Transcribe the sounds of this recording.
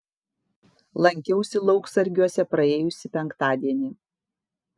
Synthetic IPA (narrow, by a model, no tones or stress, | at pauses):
lˠɐŋʲkʲɛʊsʲɪlˠɒʊksɐɾʲɡʲuɔsʲɛpɾɐeːjʊsʲɪpʲɛŋkt̪ɑːd̪ʲiɛnʲiː